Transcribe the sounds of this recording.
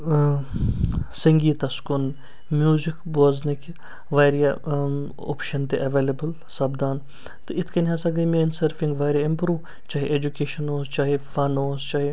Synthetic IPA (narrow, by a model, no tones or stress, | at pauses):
sɐŋɡiːt̪ɐskʊn | mjuːzɪkboːznik | ʋaːɾija | o̰ːpʃɐnt̪eʔɐʋeːlebəl | saːbd̪aːn | t̪ɨɪt̪ʰkɐniɦaːsɐɡɐmeːnsɐɾfɪ̃ŋɡʋaːɾjaɪmpɾuːʋ | t͡ʃaːɦeʔeːd͡ʒukeːʃɐnoːst͡ʃaːɦefaːnoːst͡ʃaːɦe